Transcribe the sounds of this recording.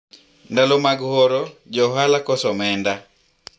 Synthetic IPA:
ndalomaɡhɔɾɔd͡ʒɔɦalakɔsɔmɛnda

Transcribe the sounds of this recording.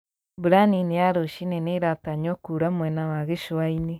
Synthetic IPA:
buɾaninejaɾoʃinɛneɾataɲɔkuɾamwɛnawaɣeʃoaine

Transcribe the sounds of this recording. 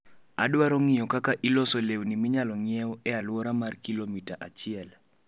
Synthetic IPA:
a̰dwaɾɔŋɪjɔkakaʔilɔsolewnimɪɲalɔŋɪɛwɔɛalwɔɾamarkilomitaʔat͡ʃɪɛl

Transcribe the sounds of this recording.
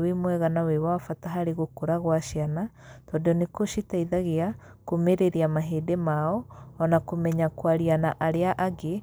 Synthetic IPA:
wemwɛɣanawewafataɦaɾeɣokoɾaɣwaʃianatɔdeɔnekoʃitaiðaɣea | komeɾeɾeamaɦeːdemaɔːnakomɛɲakwaɾianaʔaɾeaʔaɡe

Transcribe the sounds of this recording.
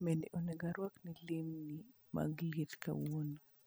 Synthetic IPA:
mɛnɛʔɔnɛɡaɾwaknilimni | ma̰ɡlitka̰wonu

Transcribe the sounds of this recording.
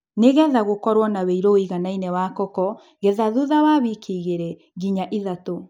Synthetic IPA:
neɣɛðaɣokɔɾwɔnaweiɾɔiɣanainɛwaːkɔkɔ | ɣɛðaðuðawaːβikʰiɣeɾɛ | ɣiɲaʔiðato

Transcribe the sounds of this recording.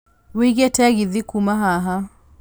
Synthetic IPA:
wiɣɛtɛɣiðikumaɦaɦa

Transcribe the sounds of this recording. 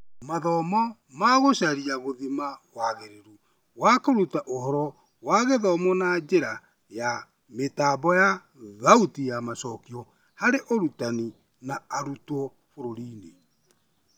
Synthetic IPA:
maðɔmɔ | maɣoɕaɾiaɣoðimaɣwaɣeɾeɾu | wakoɾutaʔohɔɾɔ | waɣeðɔmɔnad͡ʒeɾa | ja | metaːbɔja | ðautijamasɔkiɔ | haɾeʔoɾutani | naaɾutɔ | foɾoɾiːne

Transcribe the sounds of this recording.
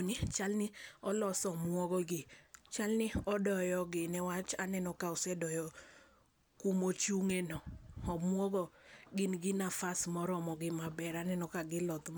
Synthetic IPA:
nɪt͡ʃalnɪɔlɔsɔmwɔɡɔɡɪt͡ʃalnɪɔdɔjɔɡɪnɛwat͡ʃanɛnɔkaʊsɛdɔjɔ | kumot͡ʃuŋenɔɔmwɔɡɔɡɪnɡɪnafasmɔɾɔmɔɡɪmabɛɾanɛnɔkaɡɪlɔt̪m

